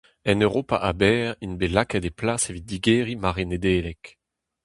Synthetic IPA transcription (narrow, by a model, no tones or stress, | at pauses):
ɛnøʁopa̰ʔabɛːʁinbelakad̪eplasevit̪̚d̪iɡeːʁimaʁened̪eːlɛk